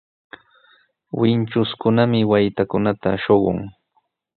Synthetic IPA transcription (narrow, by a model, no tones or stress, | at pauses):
wɪnt͡ʃʊskʊnamɪwajt̪akʊnat̪a̰ʃoɢʊ̰ŋ